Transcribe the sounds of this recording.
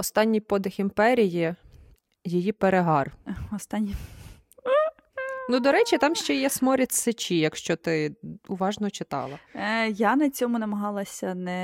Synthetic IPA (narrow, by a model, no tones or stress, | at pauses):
ɔst̪ɑnʲːijpɔd̪ɪximpɛɾʲiji | jijipeɾeɦɑrɔst̪ɑnʲːi | nud̪ɔɾɛt͡ʃit̪ɑmʃt͡ʃɛjɛsmɔɾʲɐtʲsɪt͡ʃʲijɐkʃt͡ʃɔt̪ɪʊʋɑʒnɔt͡ʃɪt̪ɑ̰lˠɐjanɐt͡sʲɔmʊnɐmɐɦɑlˠɐsʲɐnɛ